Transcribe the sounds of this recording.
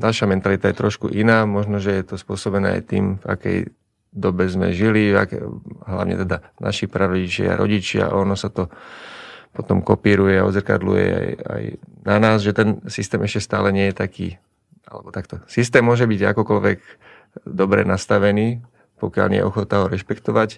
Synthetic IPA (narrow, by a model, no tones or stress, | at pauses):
ɟalʃamɛnt̪alit̪ajɛt̪ɾɔʃkuʔinaːmɔʒnɔʒɛjɛt̪ɔspʊɔsɔbɛnɛ̰ːa̰jt̪ḭːmva̰kɛ̰j | d̪ɔbɛzmɛ̰ʒiliva̰kɛɦla̰ʋɲɛ̰t̪ɛd̪anʔaʃipɾaɾɔɟit͡ʃɪa̰a̰ɾʔɔ̰ɟit͡ʃɪa̰ʔɔnɔsat̪ɔ | pɔt̪ɔmkɔpiːɾujɛaɔ̰zrka̰d̪lṵjɛ̰a̰ja̰jnanaːzʒɛt̪ɛnsist̪ɛːmɛʃcɛst̪aːlɛɲɪɛjɛt̪akḭː | ʔalɛ̰bɔt̪akt̪ɔsist̪ɛːmːʊɔʒɛbiɟa̰kɔkɔlʋɛɡ | d̪ɔbɾɛ̰nast̪aʋɛniː | pɔkɪa̰lɲɛ̰jɛ̰ʔɔxɔt̪naɦɔɾɛʃpɛkt̪ɔʋac